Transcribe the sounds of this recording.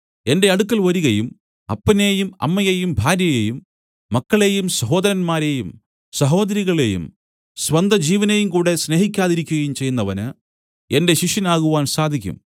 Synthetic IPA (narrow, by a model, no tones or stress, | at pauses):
e̞nde̞ɐɽukːɐlʋɐɾuɣɐjum | ɐ̰pːɐne̞ːjumɐ̰mːɐjejumbʱaːɾjɐjejumː | ɐkːɐɭe̞jumsɐɦo̞ːd̪ɐɾɐnmaːɾe̞ːjum | sɐɦo̞ːd̪ɐɾiɣɐɭe̞jṵm | sʋɐnd̪ʱɐd͡ʑiːʋɐnejumkuːɽe̞sne̞ɦikʲːaːðiɾikʲːuɣɐjumt͡ɕe̞jːunːɐʋɐnɨ | e̞nde̞ɕiʂɐnaːɣuʋaːnsaːd̪ʱikʲːṵm